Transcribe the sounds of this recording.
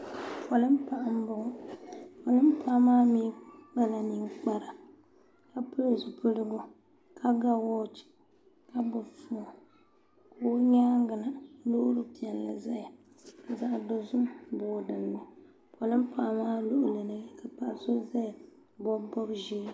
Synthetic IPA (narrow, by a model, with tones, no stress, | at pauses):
pʰɔ˨lɨ˦m˦pa˨ʔa˨m̩˦bʊ˦ɡʊ˦pɔ˨lɨ˦m̩˦pʰa˦maː˦miː˦a˦la˨ni˨ŋk͡pa˨ɾa˨ | ka˦pɨ˦lzu˨pʰɨ˦lɨ˦ɡʊ˦ | ka˦ɡa˦wɔː˦t͡ʃi̥˨ | ka˦bʊ˨fu˦˨ | ko˦ɲa˦ŋɡa˨na˨lo˦ʊ˦ɾɨ˨pi˨ɛ˨nla̰˨za˦ja˨ | ka˨za˦ʔdɔ˦zʊ˦mboː˨dɨ˨nːɨ˨ | pɔ˨lɨ˦m˦pa˨ʔmaː˦lo˦ʔʊ˨lɨ˨nɨ˨ɡka˨pa˨ʔso˦za˦˨ | bɔ˦bbɔ˦bʒi˦ɾ